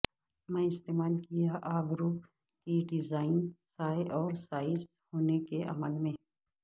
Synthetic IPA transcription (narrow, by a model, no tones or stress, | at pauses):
mɛ̃ːɪst̪eːmaːlkijaʔaːɡɾu | kiɖɪzaːɪnsaːjʔɔːɾsaːɪz | hoːnekeʔɐ̰məlmẽ